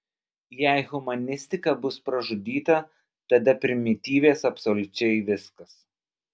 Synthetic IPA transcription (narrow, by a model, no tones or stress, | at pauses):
jɛɪɣʊmɐnʲɪsʲt̪ʲɪkɐbʊspɾɐʒʊd̪ʲiːt̪ɐ | t̪ɐd̪ɐpʲɾʲɪmʲɪt̪ʲiːʋʲeːsɐpsolʲʊt͡ʃʲɛɪʋʲɪskɐs